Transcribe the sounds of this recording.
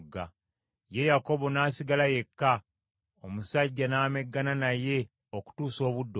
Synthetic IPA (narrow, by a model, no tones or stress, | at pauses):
ɡːa | je̞jako̞βo̞naːsiɡalaje̞kːa | omusaɟːanaːme̞ɡːananaje̞ | oku̥tuːso̞ːβudːo